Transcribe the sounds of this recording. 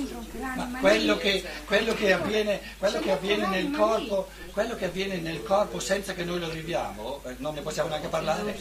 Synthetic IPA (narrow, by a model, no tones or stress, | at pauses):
makwelːokekːwelːokeavːjɛːne | kwelːokeavːjɛːnenelkɔrpo | kwelːokeavːjɛːnenelkɔrposɛnt̪sakenːojlovivja̰ːmononːeposːjaːmoneaŋkeparlaːɾe